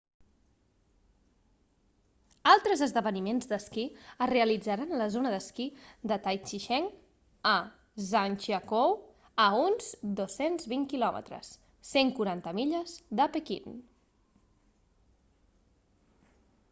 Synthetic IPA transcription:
alˠt̪ɾəzəzðəβənimenzd̪əskiəreəlid͡zəɾanləzonəðəskid̪ət̪ajt͡ʃiʃɛŋ | ə | zant͡ʃiakow | əunzd̪osenzβiŋkilɔmʔə̰t̪ɾə̰sː | eŋkuɾant̪əmiʎəzd̪əpəkḭn

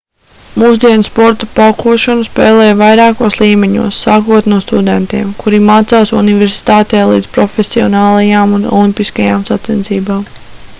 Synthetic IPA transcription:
muːzd̪iɛnspɔɾt̪apalkuɔʃɔnuspɛːlˠɛːjvajɾaːkuɔslˠiːmeɲṵɔsːaːkuɔt̪nuɔst̪ud̪ent̪iɛmkuɾimaːt̪saːsṵniveɾsi̥t̪aːt̪ɛjlˠḭːd̪z̥pɾɔfʲesiɔnaːlˠajaːmunɔ̰lˠimpiskajaːmsat̪sɛnt̪siːbaːm

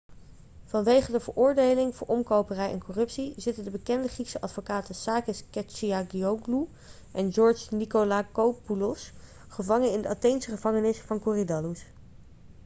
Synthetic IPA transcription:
v̥ɑnʋejχədəvəɹʔʊːɹdejlɪŋvʊːɹʔɔmkowpərɛjɛ̰nkɔrɵpsizɪtəndəbəkɛndəχriksəʔɑtfokaːtəsaːkəskɛt͡ʃiaɡioɡlu | ʔɛnd͡ʒɔɹt͡ʃnikolakowpulɔs | χəvɑŋənɪndəɑtejnsəχəvɑŋənɪsfɑnkuridɑlus

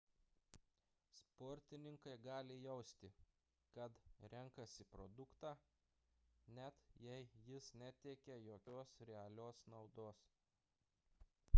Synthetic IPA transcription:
spoːɾʲt̪ʲɪnʲɪŋkɐɪɡɑːlʲɪjɛʊsʲt̪ʲɪ | kɐt̪ɾʲɛŋkɐsʲɪpɾɔ̰d̪ʊkt̪ɑː | nʲɛt̪jɛɪjɪsnʲæt̪ʲekʲɛjoːkʲoːsɾʲɛɐlʲoːsnɐʊd̪oːs

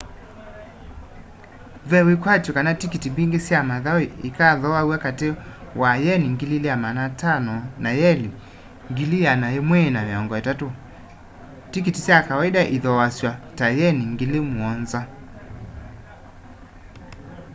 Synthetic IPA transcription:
vɛwekwatokanatikitibiŋɡesjamaðawiikaðɔwauakatewajɛniŋɡilileamanatanɔnajɛli | ŋɡilijanajemwɛnameɔŋɡɔatato | tikitisjakawaidaʔiðɔwasjwatajɛniŋɡelemwɔnza

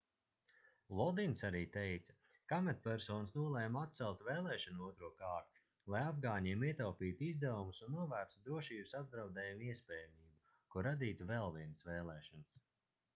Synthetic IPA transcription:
lˠɔd̪insaɾiːt̪ejt̪sɐ̥ | kamɛt̪̚pʲæɾsɔːnsnuɔlˠɛjmat̪̚t̪sɛlˠt̪veːlˠɛːʃɔnuuɔt̪ɾuɔkaːɾt̪u | lˠajavɡaːɲiɛmiɛt̪awpiːt̪izd̪ævumusunːuɔvæːɾt̪d̪ɾuɔʃiːbusab̚d̪ɾawd̪ɛːjumiɛspʲɛːjamiːbu | kuɾad̪iːt̪uvɛlˠviɛnsvɛːlˠɛːʃɔns

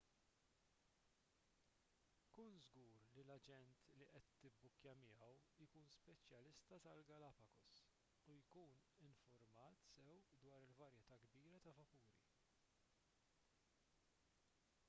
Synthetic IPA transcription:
kuːnzɡuːɾlilɐd͡ʒɛnt̪liʔɛt̪ːɪbːʊkjɐmɪɐwjkuːnspɛt͡ʃjɐlɪst̪ɐt̪ɐlɡɐlɐpɐkɔs | ujkuːnɪɱfʊɾmɐːt̪sɛwd̪wɐːɾɪlvɐɾjɛt̪ɐɡbiːɾɐt̪ɐvɐkuːɾḭ

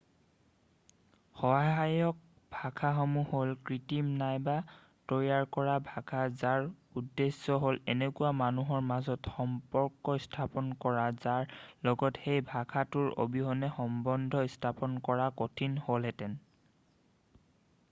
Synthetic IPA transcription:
xɔɦaɦajɔk̚ | bʱakʰaxomuholkɹitimnajba | tɔjaɹkɔɹabʱakʰazaɹudːesːɔɦolɛnekuamanuɦɔɹmazɔtxɔmpɔɹkːɔstʰapɔnkɔɹazaɹlɔɡɔtxejbʱakʰatʊɹo̰biɦɔnɛxɔmbɔndʱɔstʰapɔnkɔɹakotʰinholɦɛtɛn

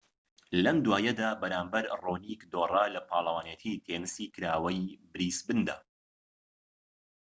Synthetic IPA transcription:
lɐmd̪waːjɐd̪aːbɐɾaːmbɐɾroːnikd̪oːrˤalɐpʰɑːlˠɐwaːnet̪ʰit̪ʰenɨsiːkɨɾaːwɐjbɨɾisbɨnd̪a̰ː

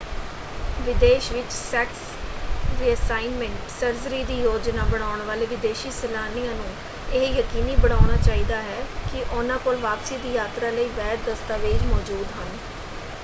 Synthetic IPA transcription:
ʋɪd̪eːʃʋɪt͡ʃsɛːks | ɾiːəsaːɪnmɛ̃ɳʈsəɾzəɾiːd̪iːjoːd͡ʒnaːbəɽ̃aːʊɳʋaːleːʋɪd̪eːʃiːsənaːnijãːnũː | ɪɦjəkiːniːbəɽ̃aːɽaːt͡ʃaːiːd̪aːɦɛːkɪʔʊnãːkoːlʋaːpsiːd̪iːjaːt̪ɾaːləiːʋɛːt̪̚d̪əst̪aːʋeːd͡ʒmɔːd͡ʒuːd̪ɦən

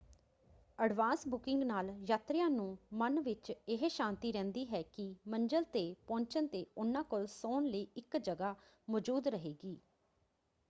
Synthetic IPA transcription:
əɖʋãːnsbʊkɪŋɡnaːljaːt̪ɾɪjãːnũːmənʋɪt͡ʃɪɦeːʃãːnt̪iːɾɛ̃ːnd̪iːɦɛːkɪməɲd͡ʒəlt̪eːpɔ̃ːɲt͡ʃənt̪eːʊnãːkolsoːnləiːɪkd͡ʒəɡaː | mɔd͡ʒuːd̪ɾəɦeːɡiː

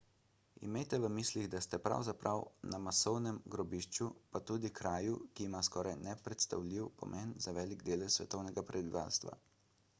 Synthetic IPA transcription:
ḭmeːt̪ɛʋəmiːsliɣd̪ast̪ɛpɾa̰wzapɾʔawnamasɔwnɛmɡɾɔbiʃt͡ʃupat̪uːd̪ikɾaːjukiːmaskɔːɾajnɛpɾɛt̪st̪a̰wliwpɔ̰mʔɛnzaʋɛːliɡd̪eːlɛsʋɛt̪ɔwnɛɡapɾɛbiʋa̰ːlst̪ʋa̰

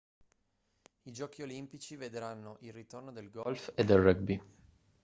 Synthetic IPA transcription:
id͡ʒɔːkiolimpit͡ʃived̪ɾanːoʔilrit̪ornod̪elɡɔlfed̪ːelːɛɡ̚bi

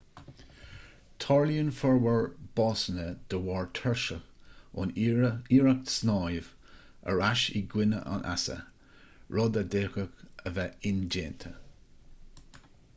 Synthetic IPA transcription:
t̪ʰɑːɹljunfɔɹwəɹb̥ɑːsənəd̪̥əwɑːɹt̪ʰɛɹʃəʊ̰niːɹak̚snɑːjv | ə̰ɹaʃiɡwɪnə̰ʔa̰nʔa̰sə̰ | ɹɔd̪ad̪eːxəkəvɛɪnd͡ʒeːnt̪ʰə

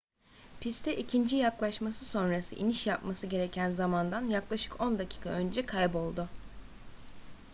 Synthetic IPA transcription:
pʰist̪ʰɛʔicʰind͡ʒijaklˠaʃmasɯso̞nɾasɯ̰ʔiniʃjapmasɯɟe̞ɾecʰænzamand̪anjaklˠaʃɯ̥kʰo̞nd̪acʰi̥ːkʰaø̞nd͡ʒɛkʰajbo̞lˠd̪ʊ

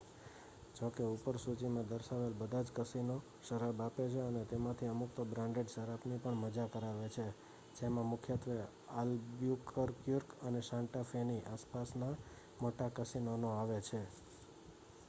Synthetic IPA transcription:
d͡ʒokeupəɾsut͡ʃimãd̪əɾʃaʋelbəd̪ʱad͡ʒkəsino | ʃəɾabapet͡ʃʰeənet̪emãt̪ʰiəmuk̚t̪obɾãɳɖeɖʃəɾapnipəɳməd͡ʒakəɾaʋet͡ʃʰe | d͡ʒemãmʊkʰjət̪ʋe | albjukʰəɾkjuɾkəneʃãɳʈafʰeniʔaspasna | moʈakəsinonoaʋet͡ʃʰe

